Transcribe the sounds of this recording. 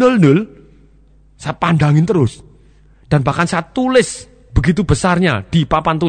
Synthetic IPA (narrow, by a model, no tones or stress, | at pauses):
nʊlnʊl | sajapandaŋɪnt̪əɾʊs | d̥anbahkansajat̪ulɪs | b̥əɡit̪ubəsarɲa̰d̥ipapant̪ul